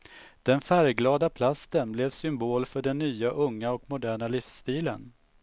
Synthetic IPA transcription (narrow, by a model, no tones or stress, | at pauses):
d̪̥ɛnfæɾɡlɑːd̪apʰlast̪ənblɛvsʏmboːlfœɖɛnːyːaʔɵŋːaɔkmʊd̪æːɳalɪfst̪iːlə̰n